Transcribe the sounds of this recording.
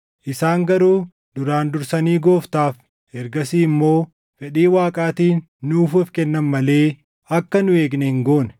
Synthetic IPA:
ʔɪsaːŋɡɐɾuː | d̪ʊɾaːnd̪ʊɾsɐniːɡo̞ːft̪aːf | ɛɾɡɐsiːɪmːo̞ː | fɛᶑiːwaːkʼaːt̪iːnː | uːffkɛnːɐmmɐle̞ː | ɐkːɐnʊe̞ːɡnɛhɪŋɡo̞ːnɛ̥

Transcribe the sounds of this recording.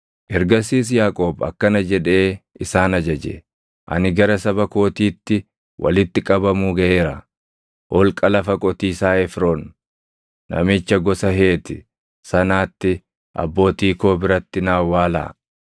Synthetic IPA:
ʔɛɾɡɐsiːs̬jaːkʼo̞ːbɐ̰kːɐnɐd͡ʒɛᶑe̞ːʔɪsaːnɐd͡ʒɐd͡ʒɛ̰ | ʔɐ̰nɪɡɐɾɐsɐbɐko̞ːt̪iːt̪ːɪ | wʔɐ̰lɪt̪ːɪkʼɐbɐmuːɡɐʔe̞ːɾɐ | ʔɔlkʼɐlɐfɐkʼɔt̪iːsaːɛfɾoːnː | ɐ̰mɪt͡ʃːɐɡɔsɐɦeːt̪ɪ | sɐnaːt̪ːɪ | ʔɐ̰bːo̞ːt̪iːko̞ːbɪɾɐt̪ːɪnaːwːaːla̰ː

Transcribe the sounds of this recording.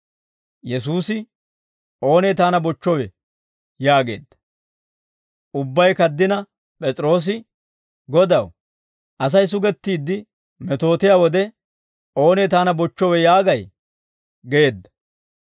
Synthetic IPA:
jɛsuːsɪ | o̞ːneːt̪aːnɐbɔt͡ʃːɔwɛ | jaːɡe̞̰ːd̪ːɐ̥ | ʔʊbːɐjkɐd̪ːɪnɐ | pʼɛt͡sʼɾo̞ːs̬ɪ | ɡɔd̪ɐw | ʔɐs̬ɐjs̬ʊɡɛt̪ːiːd̪ːɪ | mɛt̪o̞ːt̪ɪjaːwɔd̪ɛ | ʔo̞ːneːt̪aːnɐbɔt͡ʃːɔwɛjaːɡɐj | ɡeeːd̪ːɐ̥

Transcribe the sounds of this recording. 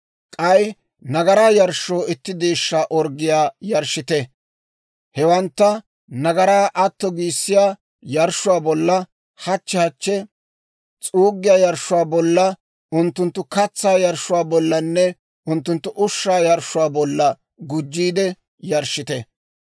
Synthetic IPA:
kʼɐj | nɐɡɐɾaːjɐɾʃːoːɪt̪ːɪd̪eːʃːaːʔɔɾɡɪjaːjɐɾʃːɪt̪ɛ | hɛwɐnt̪ːɐ | nɐɡɐɾaːʔɐt̪ːɔɡiːsːɪjaː | jɐɾʃːʊwaːbɔlːɐ | hɐt͡ʃːɛhɐt͡ʃːɛ | t͡sʼuːɡːɪjaːjɐɾʃːʊwaːbɔlːɐ | ʊnt̪ːʊnt̪ːʊkɐt͡sːaːjɐɾʃːʊwaːbɔlːɐnːɛ | ʊnt̪ːʊnt̪ːʊʔʊʃːaːjɐɾʃʊwaːbɔlːɐ | ɡʊd͡ʒːiːd̪ɛ | jɐɾʃɪt̪ɛ

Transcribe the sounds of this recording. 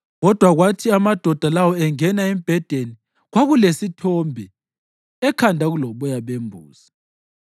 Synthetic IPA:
ɣɔd̥ʱwaɣwatʰiamad̥ʱɔd̥ʱalawɔɛŋɛnaimib̥ʱɛd̥ʱeni | ɣwaɣulesitʰɔmbʱɛ | ɛkʰandʱaɣulɔβɔjaβembʱṵːsḁ

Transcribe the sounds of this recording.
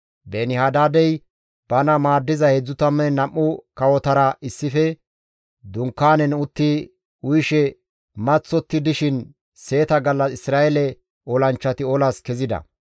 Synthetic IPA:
benɪhaːd̪aːd̪ɛj | b̥ɐnɐmaːd̪ːɪzɐhɛd͡zːʊt̪ɐmːɛnɐmːʊkɐwɔt̪ɐɾɐɪsːɪfɛ | d̪ʊŋkːaːnɛnʊt̪ːɪ | ʊjʃɛ | mɐt͡sːɔt̪ːɪd̪ɪʃɪn | se̞ːt̪ɐɡɐlːɐsɪsɾaːjɛlɛ | ɔlɐnt͡ʃːɐt̪ɪɔlaskɛzɪd̪ɐ̰

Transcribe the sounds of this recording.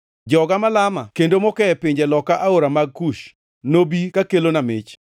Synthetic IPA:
d͡ʒɔɡamalamakendomɔkɛɛpɪɲd͡ʒɛlɔkaʔaoɾamaɡ̚kuʃ | nobikakelonamɪt͡ʃ

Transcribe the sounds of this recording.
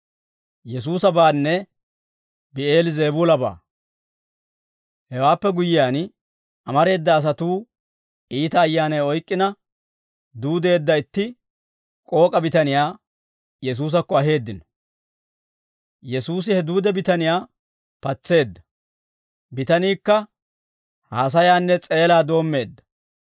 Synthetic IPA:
jɛs̬uːsɐbaːnːɛ | bɪeːlze̞ːbuːlɐba̰ː | hɛwaːpːɛɡʊjɪjaːn | ʔɐmɐɾe̞ːd̪ːɐːs̬ɐt̪uː | ʔiːt̪ɐːjːaːnɐjɔjkʼːɪnɐ | d̪uːd̪e̞ːd̪ːɐɪt̪ːɪ | kʼo̞ːkʼɐbɪt̪ɐnɪjaː | jɛs̬uːs̬ɐkːɔɐɦe̞ːd̪ːɪnɔ | jɛsuːs̬ɪhɛd̪uːd̪ɛbɪt̪ɐnɪjaː | pɐt͡sːe̞ːd̪ːɐ̥ | bɪt̪ɐniːkːɐ | haːs̬ɐjaːnːɛt͡sʼe̞ːlaːd̪o̞ːmːe̞ːd̪ːɐ̥

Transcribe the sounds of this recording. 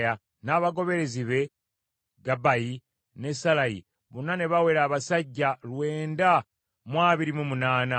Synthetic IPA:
ja | naːβaɡo̞βe̞ɾe̞ziβe̞ | ɡabaji | ne̞salajḭ | βunːane̞βawe̞ɾaːβasaɟːalwe̞ːnda | mwaːβiɾimumunaːna

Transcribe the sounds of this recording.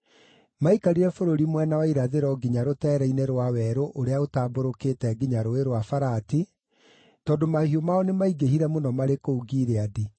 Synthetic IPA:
maikaɾiɾɛfoɾoɾimwɛnawaiɾaðeɾɔɡiɲaɾotɛːɾɛineɾwawɛɾoʔoɾeaotaːboɾoketɛɡiɲaɾoeɾwafaɾati | tɔːndomahiomaɔnemaiɡehiɾɛmonɔmaɾekouɡiːɾeadi

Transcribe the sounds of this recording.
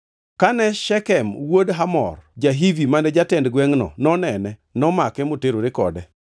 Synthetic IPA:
kanɛʃɛkɛmwodɦamɔ̰rd͡ʒaɦivimanɛd͡ʒatɛndɡwɛŋnɔ̰nɔnɛnɛnɔmakɛmoteɾoɾɪkɔ̰dɛ

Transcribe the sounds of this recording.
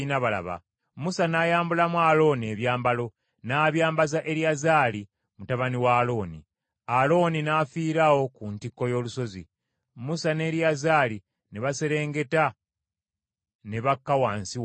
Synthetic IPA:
inaβala̰βa̰ | musanajaːmbulamwalo̞ːne̞βjaːmbalo̞ | naːβjaːmbazaʔe̞ɾiazaːli | mutaβaniwaːlo̞ːnḭ | alo̞ninafiːɾawo̞kuntikːo̞jo̞ːluso̞zḭ | musane̞ːɾjazaːli | neβase̞ɾe̞ːŋɡe̞ta | neβakːawaːnsiw

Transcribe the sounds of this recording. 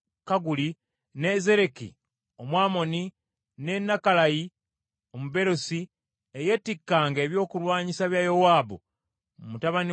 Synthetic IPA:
kaɡuli | ne̞ze̞ɾe̞kḭ | o̞mwaːmo̞ni | ne̞nːakalaji | o̞muβe̞ɾosi | eje̞tikːaːŋɡe̞ːβjo̞ːkulwaːɲisaβjajo̞waːbu | mutaβani

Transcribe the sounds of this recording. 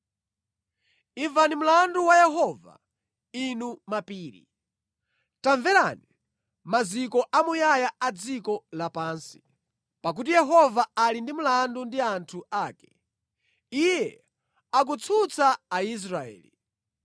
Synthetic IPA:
iɱvanim̩landuwajɛɦɔːva̰ | inumapiːɾḭ | taɱvɛɾa̰ni | mazikɔʔamujajaad͡zikɔlapaːnsi̥ | pak̬ut̬ijɛɦɔvaalindimulandundiantʰuaːkɛ̥ | ijjɛ | ak̬ut͡sʰut͡sʰaːis̬ɾaɛ̰ːli

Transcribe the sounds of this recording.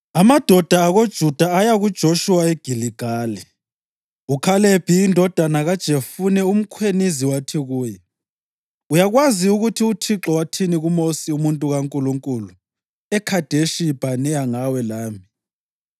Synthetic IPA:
amad̥ʱɔd̥ʱaːɣod̥ʒ̥ʱud̥ʱaːjaɣud̥ʒ̥ʱoʃuwaeɡ̥ʱiliɡ̥ʱaːlɛ | ukʰaleb̥ʱiːndʱɔd̥ʱanaɣad̥ʒ̥ʱefunɛum̩kʰweniziwatʰiɣuːjɛ | ujaɣwaziuɣutʰiutʰiǁɔwatʰiniɣumosiumuntʼuɣaŋkʼuluŋkʼulu | ɛkʰad̥ʱeʃib̥ʱanɛjaŋawɛlaːmi

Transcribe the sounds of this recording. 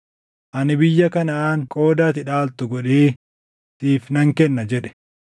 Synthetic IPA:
ʔɐnɪbɪjːɐkɐnɐaːŋkʼo̞ːd̪aːt̪ɪᶑaːlt̪ʊɡɔᶑeː | t̪iːfnɐŋkɛnːɐd͡ʒɛᶑɛ̥

